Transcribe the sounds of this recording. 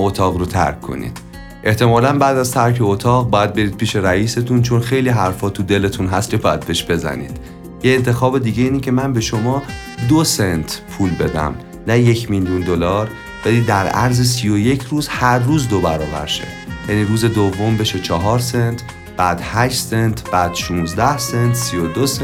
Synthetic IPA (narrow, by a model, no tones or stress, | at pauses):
ot̪ʰɒːɣrot̪ʰæ̰ɾkʰːo̞̰nḭːd̪̥ | ʔe̞ht̪e̞mɒːlænbæːd̪æzt̪ʰæɾkʰe̞ot̪ʰɒːɣ̚bɒːjæd̪̚be̞ɾiːd̪̚pʰiːʃe̞ɾæiːse̞t̪ʰunt͡ʃʰo̞nxe̞jliːɦæɾfɒːt̪ʰud̪e̞le̞t̪ʰunɦæst̪cʰebɒːjæd̪̚be̞ʃbe̞zæ̰nḭːd̪̥ | jeːnt̪ʰe̞xɒːbe̞d̪iːɡe̞iːnicʰe̞mænbe̞ʃo̞mɒː | d̪osent̪ʰpʰuːlbe̞d̪æ̰m | næje̞cʰmiljund̪o̞lɒːɾ | b̥e̞d̪iːd̪ːæɾæɾzesijoje̞cʰɾuːz̥hæɾːuːzd̪o̞bæɾɒːbæ̰ɾʃḛ | jæniːɾuːze̞d̪ovːo̞mbe̞ʃet͡ʃʰɒɦɒːɾsent̪ʰ | b̥æːd̪̥hæʃt̪se̞nt̪ʰb̥æːd̪̥ʃunzd̪æhsent̪sijod̪os